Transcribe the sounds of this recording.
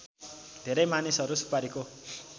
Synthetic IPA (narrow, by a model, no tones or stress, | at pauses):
d̪ʱeɾʌjmanisʌɾusu̥paɾiko